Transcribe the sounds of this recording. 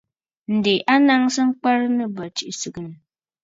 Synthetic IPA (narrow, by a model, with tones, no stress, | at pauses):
n̩˨de˨ʔa˦na˦ŋsɨ˦ŋ̩˦k͡pa˦ɾɨ˦nɨ˦ba˨t͡ʃi˨ʔsɨ˨ɡɨ˦nɨ˨